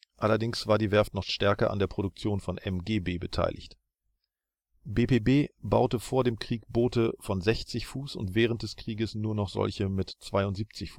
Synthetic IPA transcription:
ʔalɐdɪŋsv̥aːɐdiːvɛɐftnɔχʃtɛɐkɐʔa̰ndeːɐpʁ̥oɾʊk̚t͡sjoːnfɔnʔɛmɡeːbeːbətʰa̰ɪlʔɪ̰çt | beːpʰeːbeːba̰ʊtəfoːɐdeːmkʁ̥iːkb̥oːtəfɔnzɛçt͡sɪçfuːsʊ̰ntv̥ɛːʁənt̚d̥ɛskʁ̥iːɡəsnuːɐnɔχz̥ɔ̰lçəmɪtt͡sv̥aɪʊntz̥iːp̚t͡sɪçf

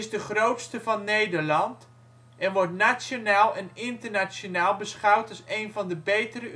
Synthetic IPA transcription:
ɪzdəχrowtstəvɑnːejdəɹlɑnt | ɛnʋɔɹtnasonaːlˠɛnɪntəɹnasonaːlˠbəsχʌwtɑsejnvɑndəbejtəɾə

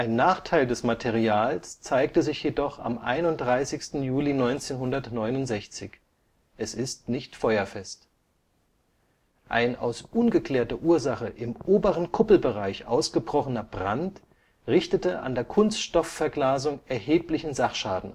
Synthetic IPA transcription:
ʔaɪnːaːχtʰaɪldɛsmatʰeʁiaːlst͡saɪk̚təzɪçjedɔχa̰mʔa̰ɪnʊnt̚d̥ʁaɪsɪçstn̩juːlinɔʏnt͡seːnɦʊndɐtnɔʏnʊntz̥ɛçt͡sɪç | ʔɛsɪstnɪçtfɔʏɐfɛst | ʔa̰ɪna̰ʊsʔʊnɡəkl̥eːɐtɐʔuːɐzaχəʔɪmʔoːbəʁ̞ənkʰʊpl̩bəʁaɪçʔa̰ʊsɡ̥əbʁɔχənɐbʁant | ʁɪçtətəʔa̰ndeːɐkʰʊnstʃtɔfɛɐɡlaːzʊŋʔɛɐheːplɪçn̩zaχʃaːdn̩

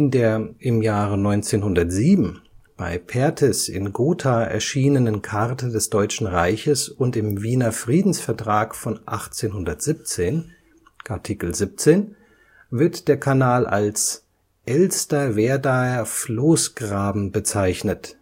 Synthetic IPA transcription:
ʔɪndeːɐʔɪmjaːʁənɔʏnt͡seːnhʊndɐtz̥iːbm̩b̥a̰ɪpʰɛɐtʰɛsɪ̰nɡoːtʰaɛ̰ɐʃiːnənənkʰaʁtʰədɛsd̥ɔʏt͡ʃn̩ʁaɪçəsʊntɪmviːnɐfʁ̥iːdn̩sfɛɐtʁ̥aːkfɔnʔaχt͡seːnhʊndɐtz̥ip̚t͡seːn | kʰatʰikl̩zip̚t͡seːn | vɪɐtd̥eːɐkʰanaːlʔa̰ls | ʔɛlstɐveːɐdaɐfloːsɡ̥ʁaːbm̩bət͡saɪçnət

